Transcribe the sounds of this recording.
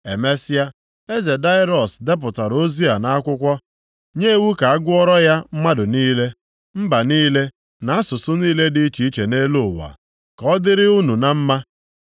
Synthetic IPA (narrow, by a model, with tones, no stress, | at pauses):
e˨me˦sɪ˦a˦ | e˦ze˨da˦ɪ˦ɾɔ˨sde˦p̬ʊ˨ta˨ɾo˦zi˦a˨na˦a˦kʷʊ˦kʷɔ˦ | ɲe˦˨wu˦ka˨a˦ɡʷʊ˦ɔ˦ɾɔ˦ja˦m̩˦ma˦dʊ˨niː˦le˦ | m̩˦ba˨niː˦le˦ | na˨a˦sʊ˨sʊ˦niː˦le˦di˦i˦t͡ʃi˨i˦t͡ʃe˨ne˦lo˦˨wa̰˨ | kɔ˦dɪ˦ɾɪ˦u˦nu˨na˦m̩˦ma˦